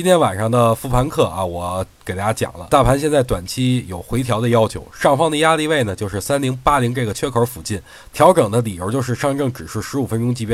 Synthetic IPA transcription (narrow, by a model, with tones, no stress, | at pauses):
t͡ɕi˥nt̪ʰjɛ˥nwa̰˨˩nʂɑ˥˩ŋd̪ə˩fu˥˩pʰa˧˥nkʰɤ˥˩ʔɐ̰˧wɔ˨˩ke˨˩t̪a˥˩ja˥t͡ɕjɑ̰˨˩ŋlə̰˦t̪a˥˩pʰa˧˥nɕ̬jɛ˥˧nt͡sa˥˩ɪt̪wa̰˨˩nt͡ɕʰi˥jo˨˩ʊxwe˧˥ɪt̪ʰjɑ˧˥ʊd̪ə˧jɑ˥ʊt͡ɕʰjo˧˥ʊʂɑ˥˩ŋfɑ˥ŋd̪ə˨ja˥li˥˧ʋe˥˩ɪnə˩t͡ɕjo˥˧ʊʂɻ̩˥˩sa˥nli˧˥ŋpa˥li˧˥ŋʈ͡ʂɤ˥˩ɡə˩t͡ɕʰɥɛ˥kʰə˧˥fu˨˩t͡ɕi˥˩n | t̪ʰjɑ˧˥ʊʈ͡ʂɤ˨˩ŋd̪ə˦li˨˩jo˧˥t͡ɕjo˥˧ʊʂ̬ɻ̩˥˧ʂɑ˥˧ŋʈ͡ʂɤ˥˩ŋʈ͡ʂɻ̩˨˩ʂɻ̩˥˩ʂɻ̩˧˥u˨˩fə˥nʈ͡ʂʊ˥ŋt͡ɕi˧˥pjɛ˥